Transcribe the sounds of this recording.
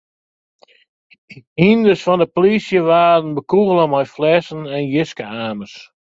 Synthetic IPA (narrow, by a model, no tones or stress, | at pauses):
indəsfɔndəpolisjəʋaːdən̩bəkuɣəlˠəmajflɛsənɛnjɪskəaːməs